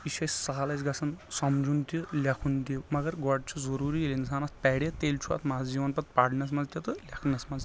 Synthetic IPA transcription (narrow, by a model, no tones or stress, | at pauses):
iʃɐjsaːlɐt͡ʃɡɐsʰɐnsɐmd͡ʒunt̪ilʲɐkʰunt̪imɐɡɐɾɡɔɖ̚t͡ʃʰuzɐɾuːɾielʲinsaːnɐst̪̚pɛːɽet̪eːlt͡ʃʰuɐ̰t̪ʰmazd͡ʒiːʋɐnpɐt̪̚paːɖnɐsmɐnzt̪ʲjit̪ɨlʲɐkʰnɐsmɐz